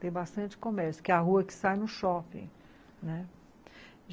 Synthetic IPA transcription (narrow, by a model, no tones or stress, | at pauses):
t̪ẽj̃bast̪ɐ̃nt͡ʃɪ̥kõmɛɾsjʊ̥kɪaɦuɐkɪ̥sajnʊʃɔpḭ̃ | nɛ